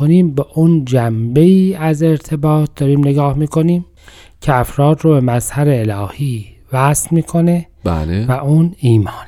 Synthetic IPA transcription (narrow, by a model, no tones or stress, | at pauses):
oniːmbeʔund͡ʒæmbe̞iːæze̞ɾt̪ʰe̞bɒːt̪̚ʰd̪̥ɒːɾiːmneɡɒːhmiːko̞niːm | cʰeæfɾɒːd̪ɾobemæzhæɾeːlɒːhiːvæslmiːkʰo̞ne | ba̰levæʔuːniːmɒːne